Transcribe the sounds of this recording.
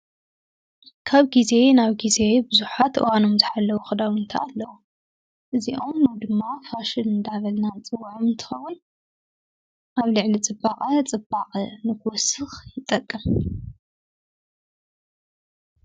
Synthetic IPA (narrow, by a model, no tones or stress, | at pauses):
kʰaβɡize̞naβɡize̞bɨzuħat̪ʔɨ̰wano̞mzɨħalːɐwuxɨd̪awʊnt̪ʰa̰ːlːɐwu | ʔɨziʔo̞mnɐwd̪ɨmːafaʃɨnɨnd̪aβɐlnant͡sʼɨwːʕomɨnt̪ʰɨ̥xɐwun | ʔaβlɨʕlit͡sʼɨbːaqʼɐt͡sʼɨbːaqʼɐnɨkʰwɔsɨxjɪt̪ʼːɐkʼːɨm